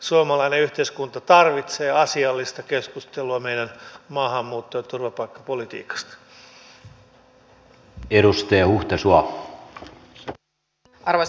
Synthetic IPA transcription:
suomɑlɑineyht̪eiskunt̪ɑt̪ɑrʋit̪seːɑsiɑlːist̪ɑkeskust̪elːuɑmejdænmɑːɦɑmːuːt̪ːojt̪urʋɑpɑikːɑ̥po̞lit̪ḭːkɑ̥st̪ɑ̥ | eɾust̪eːhuht̪esuɑ | ɑrʋo

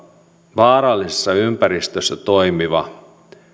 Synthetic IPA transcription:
ʋɑːɾɑlːisesːɑympæɾist̪øsːæt̪o̞jmiʋɑ̰

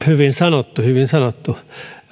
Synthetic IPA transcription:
hyʋinsɑnot̪ːuhyʋinsɑnot̪ːu

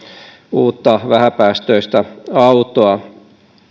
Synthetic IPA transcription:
uːt̪ːɑʋæhæpæːst̪øist̪æɑut̪oɑ

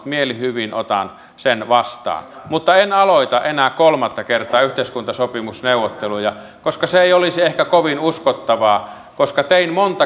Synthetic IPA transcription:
t̪mielihyʋinʔo̰t̪ɑ̰n | senʋɑst̪ɑ̰ːn | mut̪ːɑenɑloit̪ɑʔenæːkkolmɑt̪ːɑkert̪ˑɑːyht̪eˑiskunt̪ɑsopimusneuwːˑot̪ːelujɑ | koskɑseeˑiolisiehkækoʋinuskot̪ːɑʋɑː | koskɑt̪einmont̪ɑ

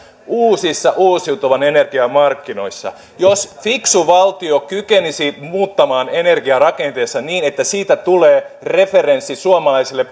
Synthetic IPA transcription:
uːsisːɑʔuːsiut̪oʋɑnenerɡ̥iɑmɑrkːino̞̰isːɑ̰ | josfiksuʋɑlt̪iokykenisimuːt̪ːɑmɑːnene̞rɡiɑrɑkent̪eːsːɑniːnet̪ːæsiːt̪æt̪uleːre̞ferensːisuomɑlɑisilːep

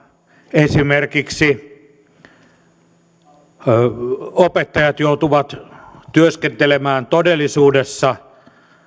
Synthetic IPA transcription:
esimerkiksi | opet̪ːɑjɑt̪jout̪uʋɑt̪t̪yøskent̪elemæːnt̪odelːˑisuːdesːɑ

